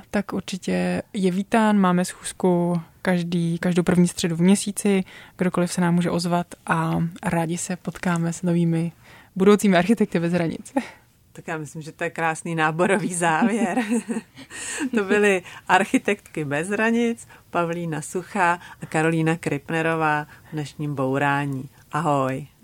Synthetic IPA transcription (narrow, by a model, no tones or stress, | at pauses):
t̪akʔuɾt͡ʃɪcɛjɛviːt̪aːnmaːmɛsxuːskukaʒdiːkaʒdowpr̩vɲiːst̪r̝̥ɛduvmɲɛsiːt͡sɪɡ̥do̞ko̞lɪfsɛnaːmːuːʒɛʔo̞zvat̪ʔaɾaːɟɪsɛpo̞t̪kaːmɛsno̞viːmɪ | budo̞wt͡siːmɪʔaɾxɪt̪ɛk̚t̪ɪbɛzɦɾaɲɪ̰t͡s | t̪akjaːmɪslɪmʒɛt̪ojɛkɾaːsniːnaːbo̞ɾoviːzaːvjɛɾ | t̪o̞bɪlɪʔaɾxɪt̪ɛkt̪kɪbɛzɦɾaɲɪt͡spavliːnasuxaʔakaɾo̞liːnakɾɪpnɛɾo̞vaːvnɛʃɲiːmbowɾaːɲiː | ʔaɦo̞j